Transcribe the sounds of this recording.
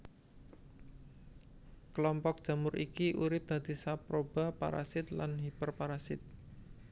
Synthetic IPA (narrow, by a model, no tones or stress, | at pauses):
kəlɔmpɔk̚d̥ʒ̥a̤mʊɾikiʔuɾɪp̚d̪̥a̤d̪̥i̤sapɾob̥a̤pa̰ɾa̰sɪt̪la̰nɦipərpaɾasɪt̪̚